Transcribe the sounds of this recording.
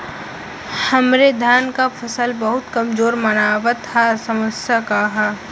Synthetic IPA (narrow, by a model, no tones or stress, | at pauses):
hɐmɾed̪ʱjaːnkapʰɐsəlbəɦʊt̪kɐmzoːɾmɐnaːʋət̪ʰːasɐməsjakaɦa